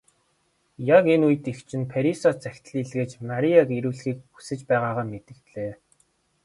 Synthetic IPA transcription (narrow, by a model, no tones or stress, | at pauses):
jakenujɘ̆t̪ixt͡ɕʰɪ̆npʰeɾisɔt͡sæxʲt̪ə̆ɮiɮɣeːt͡ɕmaɾʲiakeɾuːɮxiːk̚u̥sɘ̆t͡ɕpæːʁaːʁaːmet̪ɘ̆kt̪ɮeː